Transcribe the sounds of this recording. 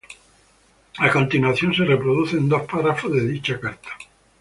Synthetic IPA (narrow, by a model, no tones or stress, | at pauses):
akõnt̪inwaθjonserepɾoðuθend̪osparafozðeðit͡ʃakaɾt̪ʰḁ